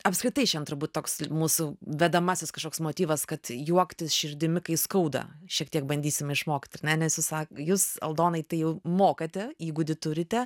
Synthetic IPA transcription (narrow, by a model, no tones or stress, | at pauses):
ɐpskɾʲɪt̪ɐɪʃʲɛnt̪ɾʊɾbuːt̪̚ʲt̪oːksmuːsʊʋʲɛd̪ɐmɑːsʲɪskɐʃkoːksmoːt̪ʲiːʋɐskɐt̪juɔkt̪ʲɪʃʲɪɾʲd̪ʲɪmʲɪkɐɪskɐʊd̪ɐ̰ʃʲiɛk̚t̪ʲiɛk̚bɐnʲd̪ʲiːsʲɪmʲɪʃmoːkt̪ʲɐrnʲɛnʲɛsjuːssɑːkjuːsɐ̰lˠd̪oːnɐɪt̪ɐɪjɛʊmoːkɐt̪ʲɛjiɪɡʊd̪ʲɪt̪ʊɾʲɪt̪ʲɛ